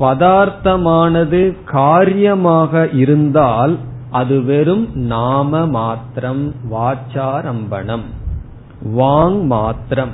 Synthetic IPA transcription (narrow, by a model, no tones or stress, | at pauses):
pɐðaːɾt̪ɐmaːnɐðɯkaːɾjɐmaːɣɐʔɪɾɯnd̪aːl | ʔɐðɯʋɛɾɯmnaːmɐmaːt̪ɾɐmʋaːt͡ʃaːɾɐmbɐ̰ɳɐm | ʋaːŋmaːt̪ɾɐm